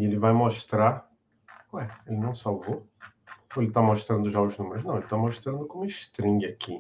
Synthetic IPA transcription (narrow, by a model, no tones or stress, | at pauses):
ielɪvajmoʃt̪ɾa | koɛelɪnɐ̃w̃sawvo | oelɪt̪amoʃt̪ɾɐ̃nd̪ʊʒaʊznũmeɾʊznɐ̃w̃elɪt̪amoʃt̪ɾɐ̃nd̪ʊkõmʊiʃt̪ɾĩŋɡɪakʰi